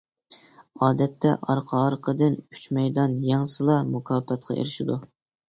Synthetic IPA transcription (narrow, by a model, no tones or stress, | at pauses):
ɑːd̪ɛt̪ʰːɛʔɑɾqʰɑɾqʰəd̪ɨny̥t͡ʃmɛjd̪ɑnjɑŋsɨlˠɑmukʰɑːpɛt̪̚qʰɑ̰ḛɾɪʃɪd̪u